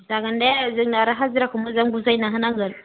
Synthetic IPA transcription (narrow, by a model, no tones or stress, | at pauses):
zaɡandezənaɾaɦaziɾakumazaŋɡuzainaɦənaŋɡəɾ